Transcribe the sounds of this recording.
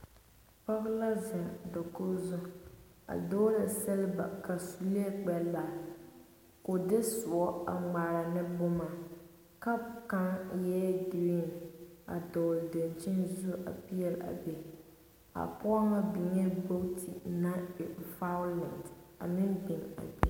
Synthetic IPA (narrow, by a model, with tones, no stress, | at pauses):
pa˦ɣla˦zɛ˨do˨kʊ˦zʊ˦ | a̰˨doː˦ɾɪ˨sɛ˦lba̰˨ka˨su˨li˦e˦k͡pɛ˦lːa˨ | ko˨dɪ˦sʊ˨ɔ˦a˨ŋ͡ma˨ɾa˨nɪ˦bʊ˦ma˨ | ka˦ka˦ŋjɛ˦dɪ˨wi˦na̰˨dɔː˨lde˨nt͡ʃɪ˦nzu˦a̰˨pi˦jɛ˦la̰˨bɛ˨ | a̰˨pʊ˦ɔ˦ŋa˦bi˨ɲɛ˦bo˦ktʰi˨na˦˨fa˦ʊ˦lɛ˨nta˨mɪ˦ndɪ˨ŋa̰˨bɛ˦